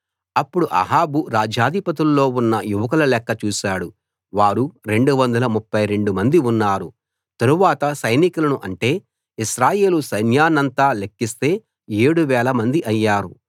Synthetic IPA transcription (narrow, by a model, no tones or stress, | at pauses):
ɐpːuɽuʔɐ̰ɦaːbuɾaːd͡ʒaːd̪ʱipɐt̪ulːo̞ːunːɐjuʋɐk̬ɐlɐlɛkːɐt͡ʃuːʃaːɽu | ʋaːɾuɾe̞ɳɖuʋɐnd̪ɐlɐmupːɐjɾe̞ɳɖumɐnd̪iunːaːɾu | t̪ɐɾuʋaːt̪ɐsɐjnikulɐnuʔɐɳʈe̞ː | iʃɾaːje̞ːlusɐjnjaːnɐnt̪aːlekːist̪e̞ː | eːɽuʋɛːlɐmɐnd̪iʔɐjːaːɾu